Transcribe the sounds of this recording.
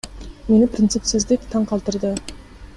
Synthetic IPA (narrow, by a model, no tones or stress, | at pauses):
me̞nɪpʰɾʲɪnt̪sɨpsɪzd̪ɪk̚ʲt̪ʰɑɴqʰɑlˠt̪əɾd̪ə